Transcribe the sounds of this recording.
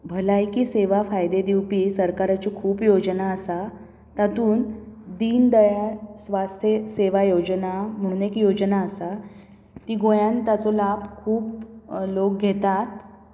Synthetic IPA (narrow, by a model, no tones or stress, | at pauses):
bʱəlajkiːseʋafajd̪ed̪iwpiːsəɾkaɾat͡ɕikʰuːpjod͡ʑnaəsa | t̪at̪uːnd̪iːnd̪əjasʋast̪ʰeseʋajod͡ʑnam̤əɽ̃uːnekjod͡ʑnaəsa | t̪iːɡojãnt̪at͡sɔlabkʰuːplok̚ɡʱet̪at̪